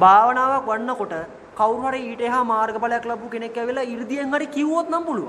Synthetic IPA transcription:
bʱaːʋɐnaːʋakʋɐɳːɐkoʈɐ | kɐwɾuɦɐɾeiːʈeːɦamaːɾɡɐpɐlɐjɐklɐbukenekːjɐʋilːɐiɾd̪ijɐŋɡɐɽikiʋoːt̪nɐmbulu

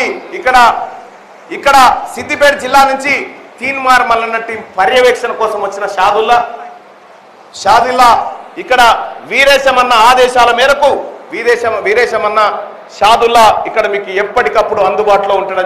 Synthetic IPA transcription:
iikːɐɽɐ | ikːɐɽɐsit̪ipeːɾd͡ʒilːaːnuɲt͡ʃi | t̪iːnmaːɾmɐlːɐnːɐʈːipɐɾjɐʋɛːkʂɐnɐkɔːsɐmʋɐt͡ʃːinɐʃaːd̪ulːɐ | ʃaːd̪ulːɐikːɐɽɐʋiːɾɛːʃɐmɐnːɐaːd̪ɛːʃaːlɐmɛːɾɐkuʋid̪ɛːʃɐmʋiɾɛːʃɐmɐnːɐ | ʃaːd̪ulːɐikːɐɽɐmiːkuɛpːɐʈikɐpːuɽuɐnd̪ubaːʈlo̞ːuɳʈaːɽɐ

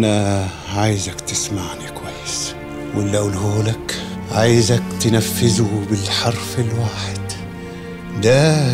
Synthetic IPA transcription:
na | ʕaːjzakt̪ɪsmaʕnikwajːɪs | wɪlːawlhuːlak | ʕajzakt̪ɪnafːɪzʊbɪlħɑɾˤfɪlwaːħɪd̪̥ | d̪æ

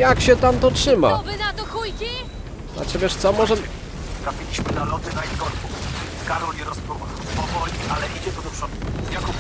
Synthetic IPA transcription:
jakɕɛt̪amt̪ɔtʂɘma̰vɘzat̪ɔxujkʲi | a̰t͡ɕɛvʲɛʂt̪sɔmɔʐɛ | t̪ɾafʲilʲiɕmɘnalɔt̪ɘnait̪kɔɾkuskaɾɔɲɛɾɔspɾuva | ɔvɔliʔalɛʔid͡ʑɛt̪ɔd̪ɔpʂɔt̪̚kujakɔ

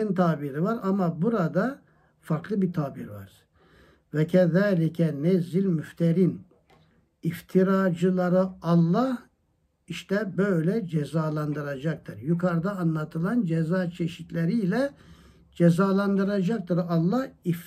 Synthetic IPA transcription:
int̪ʰaːbiɾivaɾamabuɾad̪a | faɾklˠɯbit̪ʰaːbiɾva̰ɾ̥ | vɛcʰɛðaːlʲicʰɛnɛzːilʲmyft̪ʰeɾin | ift̪ʰiɾaːd͡ʒɯlˠaɾɯɑlˠːah | iʃt̪ɛbø̞jlʲɛd͡ʒɛzaːlˠand̪ɯɾad͡ʒak̚t̪ʰɯɾjukʰaɾd̪aːnlˠat̪ʰɯlˠand͡ʒɛzaːt͡ʃʰeʃit̪ʰlʲeɾijlʲɛ | d͡ʒɛzaːlˠand̪ɯɾad͡ʒak̚t̪ʰɯɾɑlˠːɑhif

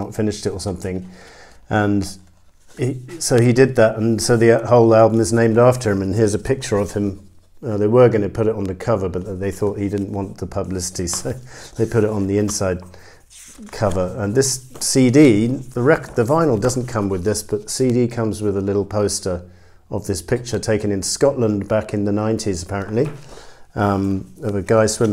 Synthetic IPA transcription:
ətfɪ̃nɨʃtɨɾə˞sʌ̃mθɪ̃ŋ | ʔə̃n | isoʊidɨd̪̚ðətə̃nsoʊðihoʊlˠælˠbə̃mɨznẽɪ̃mdæftə˞ɨ̃mɨ̃nɦɪɹzɨpʰɪk̚t͡ʃə˞ʌv̥ɨ̃m | ʌðeɪwə˞ɡʌnɨpʰʊɾɨɾn̩ðɨkʰʌvə˞bʌt̪̚ðeɪθɔt̚hidɪdⁿn̩ʔwɑ̃nðəpʰəblɪsɨ̥ɾisoʊðeɪpʰʊɾɨɾn̩ðiɪ̃nsaɪd̚ | kʰʌvə˞ə̃nðɪssidiðəɹɛkðɨvãɪ̃nl̩ˠdʌzn̩kʰʌ̃mwɨðɪsb̥ʌt̪̚ðəsidikʰʌ̃mzwɨðəlɪɾl̩ˠpʰoʊstə˞ | əvðɪspʰɪk̚t͡ʃə˞tʰeɪkɨ̃nɨ̃nskɑʔˡlə̃nbækɨ̃nðɨnãɪ̃ntʰizəpʰæɹɨ̃nʔli | ʌʌvɨɡaɪswɪ̃m

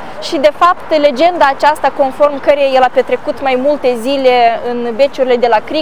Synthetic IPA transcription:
ʃid̪e̞fapt̪le̞d͡ʒe̞nd̪aːt͡ʃast̪ako̞nfo̞rmkəɾejajelape̞t̪ɾe̞kut̪majmult̪e̞zile̞ɨnbe̞t͡ʃuɾile̞d̪e̞lakɾi

